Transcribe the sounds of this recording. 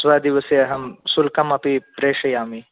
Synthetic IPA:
sʋaːd̪iʋɐseɐɦɐmsulkɐmɐpipɾeːʂɐjaːmi

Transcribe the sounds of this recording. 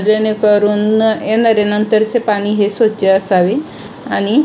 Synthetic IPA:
d͡ʒəjnekəɾunenəɾenənt̪əɾt͡ʃʰepaniɦesot͡ʃasaʋi | ani

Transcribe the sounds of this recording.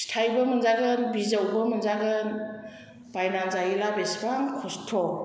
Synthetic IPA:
stʰajbəmɯnzaɡɯnbizawbəmɯnzaɡɯn | b̥ajnanzajilabesbaŋkʰɔstʰɔ

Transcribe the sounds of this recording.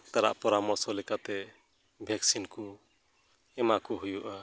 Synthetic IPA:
t̪ʌɾa̰ʔpɔɾamɔsolikat̪e | bʱjaksinku | emakuɦujuʔʌ

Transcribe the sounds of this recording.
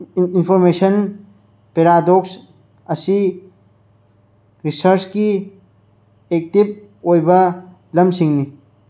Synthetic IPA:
inpʰoɾmeʃən | peɾad̪oks | ɐsi | ɾisəɾt͡ʃki | ek̚t̪ip̚ | ojbɐ | lɐmsiŋni

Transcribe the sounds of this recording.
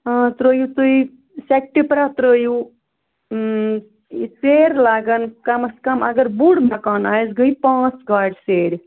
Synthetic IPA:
t̪ɾəjut̪ui | sek̚ʈipɾat̪ɾəju | iseɾlaːɡənkɐməskɐmɐ̰ɡəɾbuɽmakaːnaːjzɡəipãːt͡sɡaɖseːɾʲ

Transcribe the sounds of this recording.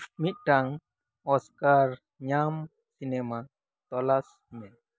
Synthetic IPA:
mit̪̚ʈaŋ | ɔskaɾ | ɲam | sinɛma | t̪ɔlas | mɛ

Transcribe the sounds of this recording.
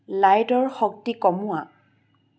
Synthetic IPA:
lajdɔɹxɔk̚tikɔmʊa

